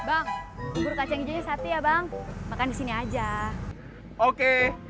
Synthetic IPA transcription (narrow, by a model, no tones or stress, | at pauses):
baŋuburkat͡ʃaŋid͡ʒaɲasat̪ijabaŋmakandisiniad͡ʒa | oke